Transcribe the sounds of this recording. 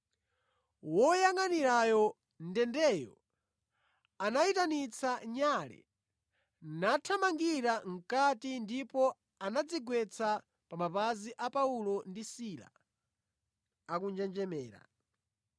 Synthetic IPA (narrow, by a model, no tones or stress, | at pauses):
wɔjaŋaniɾajɔ | ndɛndɛjɔ̰ | anaitanit͡sʰaɲalɛ̰ | natʰamaŋɡiɾaŋ̩katindipɔ | anad͡ziɡwɛt͡sʰa | pamapaziʔapaulɔndisila̰ | akund͡ʒɛnd͡ʒɛmɛːɾa̰